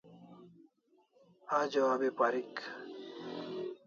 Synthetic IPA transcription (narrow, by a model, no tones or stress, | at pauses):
aːd͡ʑɐwaːbepaɾik